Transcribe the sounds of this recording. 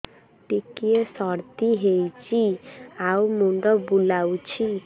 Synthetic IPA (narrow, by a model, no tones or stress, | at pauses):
ʈikiesɔɾt̪iɦejt͡ʃʰiawmuɳɖɔbulawt͡ʃʰi